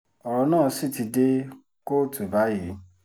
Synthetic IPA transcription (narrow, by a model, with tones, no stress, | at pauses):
ɔ˨ɾɔ˧˦nãː˦˨˧si˦˨ti˧de˦ | ko˦˨tu˨ba˨˦ji˨˦